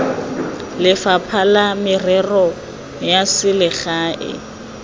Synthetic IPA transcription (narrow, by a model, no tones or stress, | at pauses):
lɪfapʰalamɪrɛrɔ | jasɪlɪχaːʔɪ̰